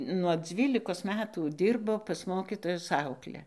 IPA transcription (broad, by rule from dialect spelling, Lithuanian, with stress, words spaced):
nuɔ ˈd͡zʲʋʲiːlʲɪkoːs ˈmʲæːtuː ˈdʲiːrboː pɐs ˈmoːkʲiːtoːjʊs ˈɐʊklʲɛ